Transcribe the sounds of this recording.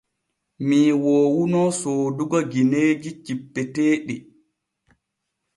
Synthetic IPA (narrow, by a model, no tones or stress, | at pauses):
miːwoːwunɔsoːduɡaɡineːd͡ʒit͡ʃipːɛteːɗi